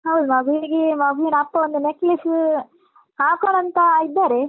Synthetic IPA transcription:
ɦɐwd̪umɐɡuiɡemɐɡʱuinɐpːɐond̪uneklis | aːkoɽɐnt̪ɐid̪ːaːɾe

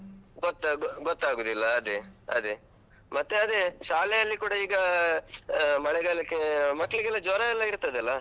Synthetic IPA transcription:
ɡot̪ːaɡɡot̪ːaːɡuːd̪ilːɐːd̪eɐ̰d̪e | mɐt̪ːeɐd̪eʃaːlɛjɐlːikuːɽɐiːɡɐ | mɐɭɛɡaɭɐkːemɐkːɐɭiɡɛlːɐd͡ʒɔːɾɐɛlːɐiɾt̪ɐd̪ɛlːɐ

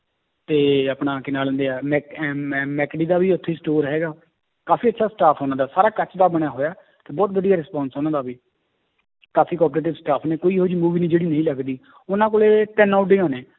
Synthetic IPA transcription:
t̪eːəpɽãːkɪnaːlə̃nd̪eːaːmɛːmɛːkɖiːd̪aːʋiːʊt̪ʰːeːsʈoːɾɦɛːɡaː | kaːfʰiːətːʃʰaːsʈaːpʰoːnãːd̪aːsaːɾaːkət͡ʃd̪aːbəɽ̃aːɦoːjaː | t̪eːbɔːt̪ʋəd̪ijaːɾɪspãːnsɦoːnãːd̪aːbiː | kaːfʰiːkɔːpɾeːʈɪʋsʈaːpʰneːkoːiːɦoːd͡ʒiːmuːʋiːnĩːd͡ʒeːɽiːnəĩːləɡd̪iː | ʊnãːkoːleːʈɛːnaːʊʈɖeːãːnẽː

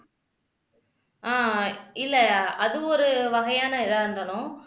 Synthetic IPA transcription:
aːɪlːɐɐðɯɔɾɯʋɐɣɐjaːnɐɪðaːɾɯnd̪aːlʊ̃

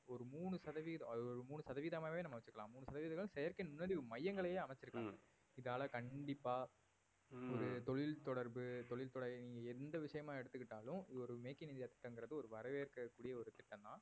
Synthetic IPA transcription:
ɔɾɯmuːɳɯsɐðɐʋiðɐɔɾɯmuːɳːɯsɐðɐʋiːðɐmaːʋeːnɐmɐʋɐt͡ʃːɯkɐlãːmuːɳːɯsɐðɐʋiːðɐŋɡɐɭɯ̃sɛjɐɾkɪnmʊnːɐɽimɐjːɐŋɡɐɭɐjeːɐmɛt͡ʃːɪɾɯkːaːŋɡɐ | ɪðaːlɐkɐɳɖɪpːaː | ɔɾɯt̪ɔɭɪlt̪ɔɽɐɾbɯt̪ɔɭɪlt̪ɔɽɐniːŋɡɐɛnd̪ɐʋɪʂɐjɐmaːɛɽɯt̪ːɯkːɪʈːaːlʊ̃ɔɾɯmeːkːɪnɪnd̪jaːt̪ɪ̥ʈːɐŋɡɪɾɐðɯɔɾɯʋɐɾɐʋeːɪɾɯkːɐkːuːɽɪjɐɔɾɯt̪ɪʈːɐnt̪ãː

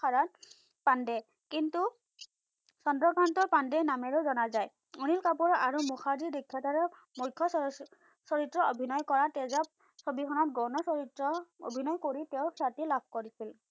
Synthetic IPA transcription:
aɹat | pandɛ | kintu | sɔndɹɔkantɔɹpandɛnamɛɹozɔnazaj | unilkapuɹaɹumuxʰadidekʰːɔtaɹɔ | mujkʰːɔ | sɔɹitɹɔobʱinɔjkɔɹatɛzap̚ | sobikʰɔnɔt̚ɡɔwnɔsɔɹitɹɔo̰bʱinɔjkoɹitɛʊkʰatilab̚ʱkoɹisil

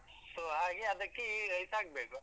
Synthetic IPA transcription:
soːɦaːɡeɐd̪ɐkːeɾɐjsaːɡ̚beːku

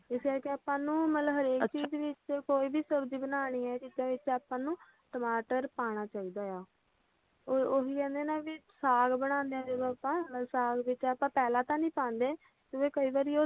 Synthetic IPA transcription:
ɪskɛːɾkeaːpãːnũːmət̪ləbɦəɾeːkt͡ʃiːd͡ʒʋɪt͡ʃkoːiːbʱiːsəbd͡ʒiːbənaːɽ̃iːɛːkɪt̪ːãːʋɪt͡ʃaːpãːnũː | ʈəmaːʈəɾpaːɽ̃aːt͡ʃaːiːd̪aːjaː | ooːɦiːkɛ̃ːnd̪eːnaːʋiːsaːɡbəɽ̃ãːnd̪eaːd͡ʒeːd̪oapãːsaːɡʋɪt͡ʃaːpãːpɛːlãːt̪ãːnĩːpãːnd̪eː | t̪oːʋeːkəiːʋaːɾiːoː

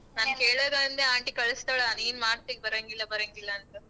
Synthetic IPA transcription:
naːnkeːɭɐðɐɐnd̪eaːɳʈikɐɭɐst̪aːɭaaneːnmaːɾt̪ːekbɐɾɐŋɡilːɐbɐɾɐŋɡilːɐnt̪ɐ

